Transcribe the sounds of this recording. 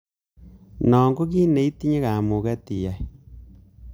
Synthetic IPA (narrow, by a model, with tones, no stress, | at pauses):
nɔ˨ŋɡo˦ɣi˦ne˨i˦ti˦ɲe˦ɣa˨mo˨ɣɛ˦ti˨ja˨